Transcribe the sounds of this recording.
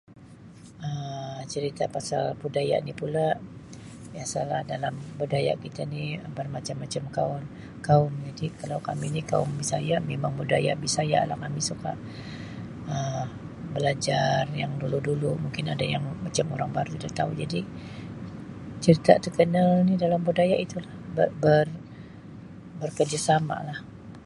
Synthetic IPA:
ət͡ʃəɾit̪apasalbudaja̰nipulaʔ | jasalahdalambədaja̰ʔkit̪aniəbərmat͡ʃamːat͡ʃamkaʊn | kaʊnd͡ʒadikalawkaminika̰ʊnbisajaʔmemaŋbudaja̰ʔbisaja̰ʔlahkamisuka̰ʔ | ə | bəlad͡ʒarjaŋduludulumuŋkɪnadajaŋmat͡ʃamo̰ɾaŋbaɾut̪udaht̪aṵd͡ʒadi | t͡ʃəɾit̪a̰t̪əkənalnidalambudajaʔit̪ulahbəbər | bərkərd͡ʒasama̰lah

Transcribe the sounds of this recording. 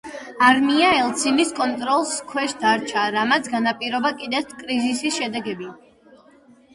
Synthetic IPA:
aɾmiaɛlˠt̪sʰiniskʼɔnt̪ʼɾɔlˠskʰwɛʃd̪aɾt͡ʃʰaɾamat̪sʰɡanapʼiɾɔbakʼid̪ɛt̪ʰkʼɾizisisʃɛd̪ɛɡɛbi

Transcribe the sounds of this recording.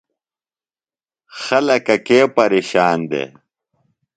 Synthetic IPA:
xɐlɐkɐkeːpɐɾeːɕaːnd̪ḛː

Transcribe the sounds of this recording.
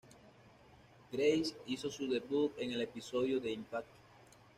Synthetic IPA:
ɡ̥ɾejsiso̞suðe̞βut̪̚e̞ŋe̞le̞piso̞ðjoðe̞impak̚t̪o̥

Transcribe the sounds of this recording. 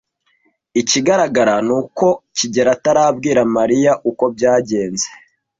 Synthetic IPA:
iciɡaɾaɡaɾanuːko̞ciɟe̞ɾataɾaːbɡiːɾamaɾijaʔuko̞b̚ɟaːɟe̞ːnze̥

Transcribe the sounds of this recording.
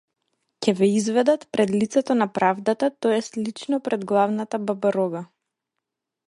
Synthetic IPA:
cɛvɛizvɛd̪at̪pɾʔɛd̪lit̪sɛt̪ɔnapɾavd̪at̪at̪ɔɛslit͡ʃnɔpɾɛd̪ɡlˠavnat̪ababaɾɔɡa

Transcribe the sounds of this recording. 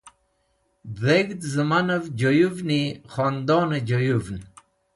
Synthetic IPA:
deɡd̪zəmanəvd͡ʑojuvniχɔnd̪ɔːned͡ʑojuvn

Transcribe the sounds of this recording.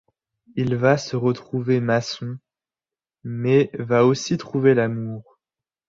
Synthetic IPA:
ilvasəʁət̪χuvemasɔ̃ | mɛvaosit̪χuvelamuːʁ

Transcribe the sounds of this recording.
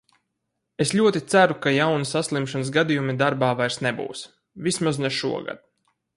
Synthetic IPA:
eslʲuɔt̪it̪sæɾukajawnisaslˠimʃansɡad̪ijumid̪aɾbaːvajɾsnɛbṵːws | vʲismaznɛʃṵɔɡa̰d̪̥̚

